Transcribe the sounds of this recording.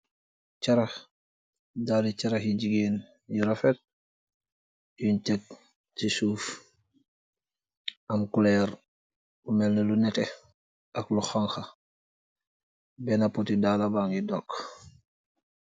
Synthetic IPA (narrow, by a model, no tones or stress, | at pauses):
t͡ʃaɾa | daːlit͡ʃaɾaxjiɟiɡeːn | jiɾafɛt̚ | juntɛk̚ | sisuːf | ɐmkulɛːɾ | umɛlnəlunɛtɛ | ʔɐkluxaŋxa | bɛnapotidaːlabaŋidɔk